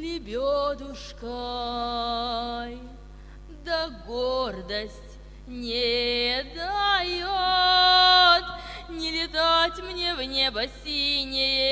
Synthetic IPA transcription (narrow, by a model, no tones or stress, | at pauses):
lʲɪbʲod̪ʊʂkə | j | d̪əɡord̪əsʲtʲ | nʲed̪ajo | t̪nʲɪlʲɪt̪atʲmnʲevnʲebəsʲinʲɪjə